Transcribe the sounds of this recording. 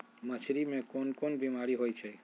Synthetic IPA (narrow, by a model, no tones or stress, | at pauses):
mət͡ʃʰɾimẽkonkonbimaɾiɦojt͡ʃʰe